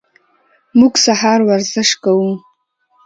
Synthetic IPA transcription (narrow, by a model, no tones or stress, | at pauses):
muɡsahɑɾwaɾzɪʃkawu